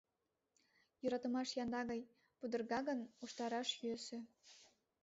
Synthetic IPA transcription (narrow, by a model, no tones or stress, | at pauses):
joɾɑt̪ə̆mɑʃjɑnd̪ɑɣɑj | pud̪ə̆rɣɑɣənuʃt̪ɑɾɑʃjøsĕ